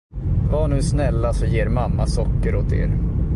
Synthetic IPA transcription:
vaɳʉ̟ːsnɛlːasɔjeːɾmamːasɔkːəɾoːt̪ḛːɾ

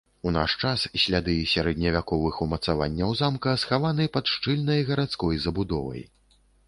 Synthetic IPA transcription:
una̰ʂt͡ʂassʲlʲad̪ɨsʲaɾɛd̪nʲɐvʲakɔvɨxumɐt̪sava̰nʲːɐwzamkɐsxavanɨpɐt̪ʂt͡ʂɨlʲnɐjɣɐɾat̪skɔjzɐbud̪ɔvɐ̰j

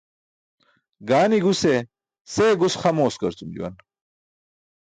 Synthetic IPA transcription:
ɡaːniɡuse | seːɡusχɐmoːskɐɾt͡sumd͡ʑḭwɐ̰n

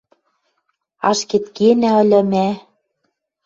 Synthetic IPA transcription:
ɑ̰ʃket̪kenæɤ̆lʲɤ̆mæ

